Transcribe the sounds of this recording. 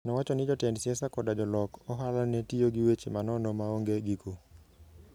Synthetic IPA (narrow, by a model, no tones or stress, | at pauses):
nɔwat͡ʃɔnɪd͡ʒɔtɛndsiɛsakɔdad͡ʒɔlɔkɔɦalanɛtioɡɪwet͡ʃemanɔnɔmaoŋɡeɡiko